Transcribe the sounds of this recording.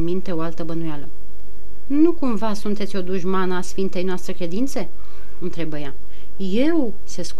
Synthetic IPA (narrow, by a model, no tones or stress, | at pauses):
nmint̪e̞o̞alt̪əbənujalə | nukumvasunt̪et̪sʲo̞d̪uʒmanəasfint̪e̞jnoast̪ɾekɾe̞d̪int̪se̞ | ɨnt̪ɾe̞bəja | je̞w | sesk